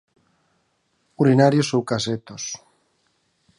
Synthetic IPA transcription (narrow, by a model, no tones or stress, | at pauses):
uɾinaɾjosowkaset̪os